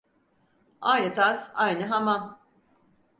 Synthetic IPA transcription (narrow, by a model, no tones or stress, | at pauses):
ajnɯt̪ʰazajnɯɦamam